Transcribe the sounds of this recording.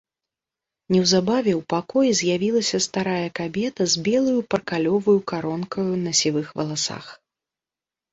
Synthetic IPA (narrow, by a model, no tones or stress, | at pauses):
nʲɛwzabavʲɛwpakɔjizʲjavʲilˠɐsʲɐst̪aɾajɐkabʲɛt̪ɐzʲbʲɛlˠɐjupɐrkalʲɔvɐjukaɾɔnkʰɐjunɐsʲivɨxvɐlˠasa̰x